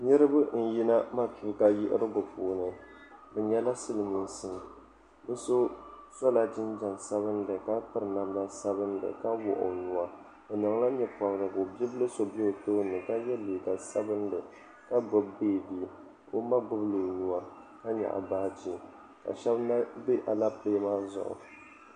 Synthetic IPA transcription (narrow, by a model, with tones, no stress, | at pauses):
ɲɨ˦ɾɨ˦bɨ˦n̩˦˨ji˦na˦ma˦pi˦ka˦jɪ˦ʔɪ̰˦ɾɨ˦ɡʊ˨puː˨nɨ˨dɨ˨ɲɛ˦la˦sɨ˦lɨ˨mi˨n˦sɨ˦n˨ | bɨ˦so˦sɔ˦la˨d͡ʒɪ˦nd͡ʒa˨ŋsa˦βɨ˦n˦dɨ˨ka˦pɨ˦ɾɨ˨na˨mla˦sa˦bɨ˦n˦dɨ̰˨ka˦wɔ̰˨ʔʊ̰˨nu˨a˦ | o˨nɔ˨ŋ˦la˦ɲɛ˦pɔ˨bɾɨ˨ko˨bi˦bɨ˦lɨ˦so˨bi˦o˨to˦nɨ˨ka˦jɛ˦li˨ɡa˨sa˦bɨ˦n˦dɨ˨ | ka˦ɡ͡bɔ˨bbeː˦˨bi˦ | ko˦ma˦ɡʊ˦blo˨nu˦a˦ | ka˦ɲa̰˨ʔa̰˨baː˦d͡ʒi˨ | ka̰˨ʃɛ˦bna˦be˦ʔa˨la˦peː˦maː˦zʊ̰˨ʔʊ̰˨